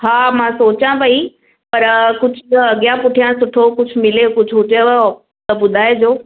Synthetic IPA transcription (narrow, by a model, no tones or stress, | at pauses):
ɦaːmãsoːt͡ɕãpɐi | pɐɾkʊd͡ʑʱɐɡjãpʊʈʰijãsʊʈʰokʊd͡ʑʱʊmɪlekʊd͡ʑʱɦʊt͡ɕe | t̪əbʊd̪ʱaːed͡ʑoː